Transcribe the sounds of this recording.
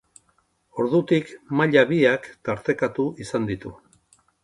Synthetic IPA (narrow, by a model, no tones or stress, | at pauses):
o̞ɾðut̪ikmaʎaβiakt̪aɾt̪e̞kat̪uisand̪it̪u